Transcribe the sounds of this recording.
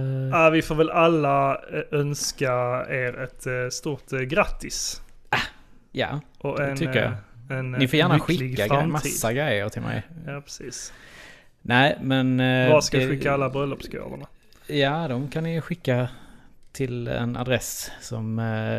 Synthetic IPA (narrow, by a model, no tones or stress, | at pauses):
avɪfoːɾvɛlʔalːaœnskaeːɾɛt̪st̪uːɾt̪ɡɾat̪ːɪs | ja̰ːʔɔɛnʰʏkəja̰ɛnnɪfoːjæːɾnaɧɪɪkɡːaɡfatmaiːsd̪ːaɡɾɛjːəɾt̪ʰɪlmʔɛ̰jjaːpʰɾɛ̥siːs | næɪmɛnvaskaɧɪkːaalːabɾœlːɔpsko̰ːvə̰ɳa | jaːd̪ɔmkʰanːɪjɧɪkːat̪ʰɪlɛ̰na̰d̪ɾɛssɔm